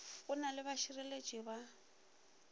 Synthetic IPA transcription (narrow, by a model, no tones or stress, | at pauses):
kʼʊnalɪβaʃirɛle̥t͡ʃʼiba